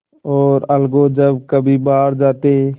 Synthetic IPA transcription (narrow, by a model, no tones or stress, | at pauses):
ɔːɾəlɡoːd͡ʒəbkəbʱiːbaːɾd͡ʒaːt̪e